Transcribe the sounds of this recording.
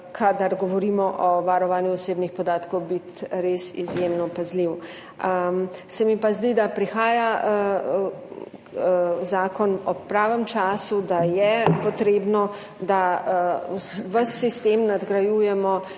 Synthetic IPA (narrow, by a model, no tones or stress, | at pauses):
kʰad̪aɾɡɔʋɔɾiːmɔʔɔʋaɾɔʋaːnjuɔseːbnixpɔd̪aːt̪kɔwbit̪ɾesḭzjemnɔpazliw | əmsɛmipazd̪id̪apɾixaːja | zaːkɔnɔpɾaːʋəmt͡ʃaːsud̪ajɛpɔt̪ɾeːbnɔ | d̪a | ʋəsːist̪emnad̪ɡɾajujɛmɔ